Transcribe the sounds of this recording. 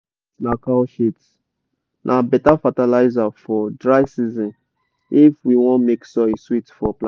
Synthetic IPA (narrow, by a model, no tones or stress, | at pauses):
nakalʃit | nʔabɛtafatalaɪzafɔdɹaɪsizɪ̃n | ifwiwɔ̃nmeksɔɪswitfɔplã